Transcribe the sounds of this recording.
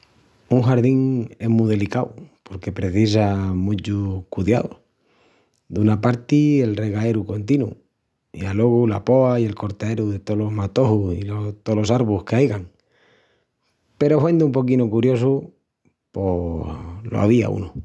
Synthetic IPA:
uŋxaɾðiŋe̞muðe̞likawpo̞ɾke̞pɾe̞θis̬amut͡ʃukuðja̰ðo̰ | d̪unapaɾt̪ie̞lre̞ɣae̞ɾuko̞nt̪inṵ | ḭalo̞ɣula̰po̞aie̞lko̞ɾt̪ae̞ɾuðet̪olo̞ɦmat̪o̞husilot̪olo̞saɾβuhke̞ajɣaŋ | pe̞ɾo̞fwe̞nd̪umpo̞kinukuɾjo̞su | po̞ | lo̰a̰βia̰ṵnu

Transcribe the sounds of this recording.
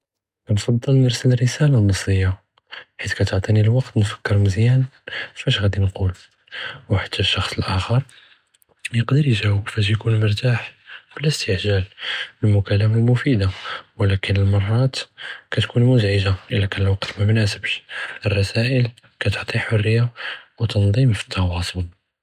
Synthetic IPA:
kænfɑd̪ˤːəlnəɾsəlrːəsælalmɑsˤɾəjːa | ħit̪kæt̪oʕt̪ˤinilwɑqt̪nfə̥kːəɾməzjænffæʃɣæd̪inqul | wħḁt̪ːæʃːɑxsˤəlʔæxəɾˤ | jəqd̪əɾjʒæwəbfæʃ̬jkunmʊɾˤt̪aħbəlːəst̪əħʒælbəlmʊkælæmalmʊfid̪awəlækənəlmɑrˤːɑt̪kæt̪kunmʊzʕəʒaʔəlːækænəlwɑqt̪mæmnæsəbʃʔərˤːɑsæʔəl | kæt̪oʕt̪ˤiħorːəjːawt̪ɑnd̪ˤimfi̥t̪ʰːɑwɑsˤol

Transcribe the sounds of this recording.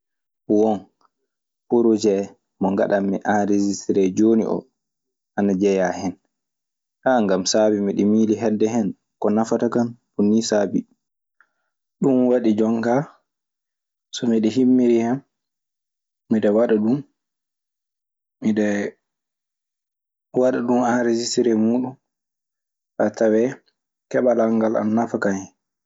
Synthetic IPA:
wɔn | poɾod͡ʒɛ | mɔŋɡa̰ɗamːiʔanɾed͡ʒistɾɛd͡ʒonḭʔɔ̰ | ʔanad͡ʒɛjahɛn | ʔaŋɡamsabimiɗɛmiːliɦɛdːɛɦɛn | kɔnafatakanbunːisabi | ɗumwaɗid͡ʒɔŋka | sɔmiɗɛɦimːiɾihɛm | iɗɛwaɗaɗun | miɗɛ | waɗaɗumanɾed͡ʒistiɾɛmuːɗun | ʔatawɛ | kɛɓalaŋɡala̰nnafakaŋhɛn

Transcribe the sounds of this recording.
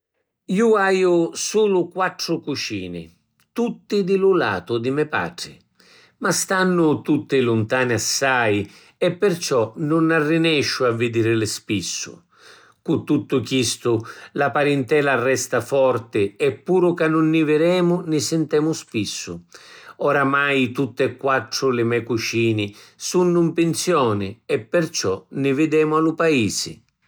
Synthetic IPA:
iuaːjʊsuːlʊkwat̪ːɾʊkut͡ʃḭːnɪ̰ | t̪ut̪ːɪd̪ɪlʊla̰ːt̪ʊd̪ɪmɛpa̰ːʈɾɪ̰ | mast̪anːʊt̪ut̪ːɪlʊnt̪aːnɪasːaj | ɛpːɪrt͡ʃɔnʊnarːɪnɛʃːʊavːɪd̪iːɾɪlɪspisːʊ̰ | kut̪ːut̪ːʊkist̪ʊlapaɾɛnt̪ɛːlarːɛst̪afɔrt̪ɪɛpːuːɾʊkanːʊnːɪvɪɾɛːmʊnɪsɛnt̪ɛːmʊspisːʊɔɾamajt̪ut̪ːɪɛkːwat̪ːɾʊlɪmɛkut͡ʃiːnɪsunːʊmpɪnsjɔːnɪɛpːɪrt͡ʃɔnɪvɪd̪ɛːmʊalʊpaiːsɪ̰

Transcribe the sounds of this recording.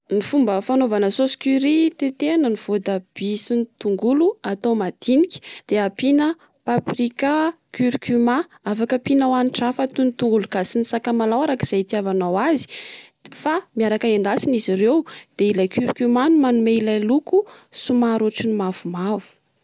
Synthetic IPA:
nifumbəfanovanəsosi̥kyɾit̪et̪enəniv̥od̪əb̥isinit̪uŋɡuluat̪owmad̪̥inikʲi̥d̪̥eapinə | paprika | kyɾkyma | afakəpinawaniʈ͡ʂafat̪unt̪uŋɡulukasinisakamalawaɾakiz̥ajt̪iavanawazi̥famiaɾakaend̪asinizirewd̪̥eilajkyɾkymanumanumeilajlukusumaɾoʈ͡ʂinimav̥umavu̥

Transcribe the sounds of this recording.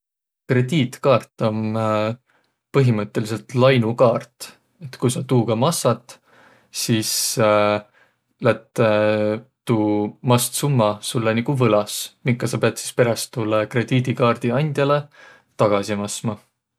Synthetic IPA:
kre̞d̪̥iːt̪kɑːrt̪ˑːo̞m | pɤɦimɤt̪ˑːe̞lis̬e̞lt̪lɑjnukɑːrt̪ | e̞t̪kujsɑt̪uːkɑmɑsːɑt̪ˑ | siːs | læt̪ːˑ | t̪uːmɑst̪sumːɑsulːenikuvɤlɑsmiŋkːˑɑsɑpeɑt̪si̥spe̞ɾɑst̪ːulːekre̞d̪̥iːd̪̥ikɑːrd̪̥iɑnʲd̪̥jɑle̞ | t̪ɑɡ̥ɑsimɑsmɑ

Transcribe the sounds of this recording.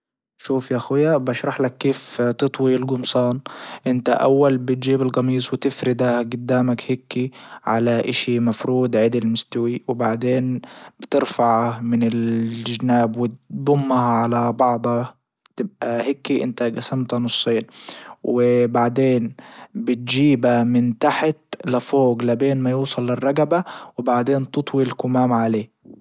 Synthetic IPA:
ʃuːfjaʔxujabaʃɾˤɑħlakːeːft̪ɨt̪ˤwilɡʊmsˤɑːnʔɪnt̪a̰ʔa̰wːalbɪt̪̚d͡ʒiːbɪlɡɑmiːsˤwɪt̪ɪfɾɪd̪ahɡʊd̪ːaːmakhɪkːiʕalaʔɪʃimafɾuːd̪ʕɪd̪ɪlmʊst̪awiwɪbaʕd̪eːnb̥ɪt̪ɪɾfaʕamɪnɪlʒnaːbwɪtd̪ˤʊmːahʕalabɑʕd̪ˤɑ | t̪ɪb̚ʔahɪkːiʔɪ̰nt̪aɡasamt̪anʊsˤːeːnwɪbaʕd̪eːnbɪt̪̚d͡ʒiːbamɪnt̪aħt̪lafoːɡlabeːnmajuːsˤɑlːɪrˤːɑɡabawɪbaʕd̪eːnt̪ɨt̪ˤwilkʊmaːmʕaleː

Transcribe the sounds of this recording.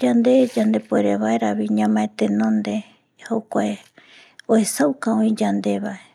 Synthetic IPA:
d͡ʒand̪e̞d͡ʒand̪e̞poeɾeβaeɾaβiɲãmãẽt̪enõnd̪e | hokʷae | oesawkãõĩd͡ʒand̪e̞βae

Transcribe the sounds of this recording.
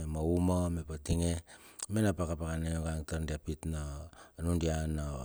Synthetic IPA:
emoumomepatiŋemenapakapakanejoɡaŋtaɾndiapitnoːnundianːo

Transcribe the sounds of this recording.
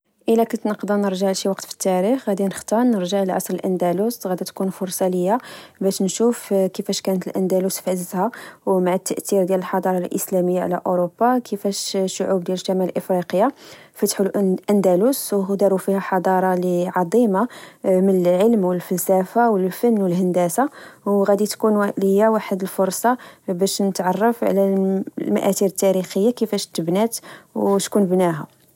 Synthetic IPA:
ʔəlækʊnt̪nəqd̪ɑnəɾʒaʕʃiwɑqt̪fi̥t̪ːæɾixɣæd̪inəxt̪ɑnːəɾʒaʕləlʕɑ̰sˤɾəlʔænd̪ælusɣæd̪æt̪kunfʊɾˤsˤɑləjːabæʃnʃufkəfæʃkænət̪əlʔænd̪ælusfʕəzzhæwmaʕat̪ːəʔt̪iɾd̪jæləlħɑd̪ˤɑɾˤɑlʔə̰slæməjːaʕ̰læ̰ʔoɾobːakʰəfæʃʃːʊʕub̚d̪jæləʃːæmæləlʔəfɾiqəjafət̪ħulʔʔænd̪æluswɦd̪ɑɾˤufihæħɑd̪ˤɑɾˤɑliʕɑd̪ˤimamənəlʕəlmwəlfælsæfawəlfənːwəlɦænd̪æsawɣæd̪it̪kunlihəjːæwaħəd̪əlfʊɾˤsˤɑbæʃnət̪ʕɑrˤːɑfʕ̰læmæʔæt̪iɾət̪ːæɾixəjːakəfæʃt̪ːəbnæt̪wt̪kunbnæɦæ

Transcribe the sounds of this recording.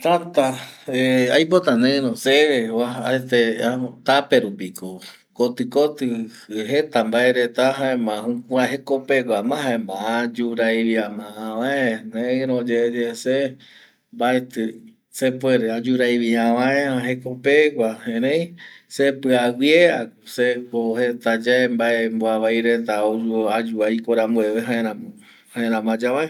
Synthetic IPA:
t̪at̪aeajp̬ot̪anẽɾõseewaaet̪eat̪apeɾupiko | kot̪ɨkot̪ɨ | ɦet̪ambaeɾet̪aɦaẽmãɦũkũaɦekopekʷamãhɦaẽmãad͡ʒuɾajβiamããʋaẽnẽɾõd͡ʒed͡ʒese | mbaet̪ɨ | sepweɾead͡ʒuɾajβiãʋãẽãɦekopekʷahẽɾẽj̃sepɨawjeak | sekohet̪ad͡ʒaembaemboaβajɾet̪aod͡ʒuoad͡ʒuajkoɾambueβeɦãẽɾãm | hãeɾãmãd͡ʒaβaẽ

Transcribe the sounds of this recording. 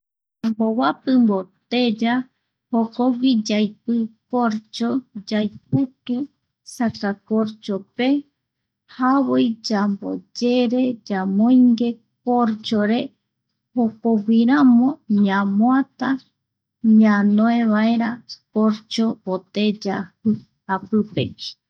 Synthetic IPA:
mbowapɨmbot̪ed͡ʒa | hokoɡʷid͡ʒajpɨpoɾt͡ʃod͡ʒajp̚ut̪u | sakakoɾt͡ʃope̞ | haβojd͡ʒambo̰d͡ʒe̞ɾe̞d͡ʒamõjŋɡe̞ | poɾt͡ʃoɾe | hokoɡʷiɾamõɲãmoat̪a | ɲãnõẽβaeɾapoɾt͡ʃoot̪ed͡ʒahɨ | apɨpḛi

